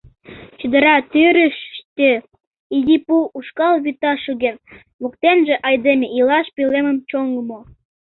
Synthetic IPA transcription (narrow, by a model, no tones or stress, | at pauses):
t͡ɕyd̪ə̆ɾɑt̪yɾəʃt̪e | iɣipuuʃkɑlβyt̪ɑʃuɣen | muk̚t̪enʒĕʔɑjd̪emʲeʔilɑʃpileməmt͡ɕoŋləmo